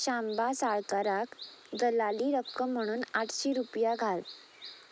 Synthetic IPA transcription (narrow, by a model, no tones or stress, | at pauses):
ɕambasaɭkaɾakd̪əlaliːɾəkːəm̤ːəɽ̃uːnaʈʰɕiːɾupjaɡʱal